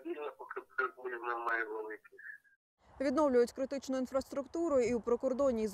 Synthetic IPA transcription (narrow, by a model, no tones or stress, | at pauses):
dʲilʲnɐpɔkɪpk̪ɐb̪uɾʲiwnamːajɛʋelˠɪkʲi | ʋʲid̪nɔwlʲʊjʊtʲkɾɪt̪ɪt͡ʃnʊinfɾɐst̪ɾʊkt̪uɾʊjʊiwpɾɔkɔrd̪ɔnʲiz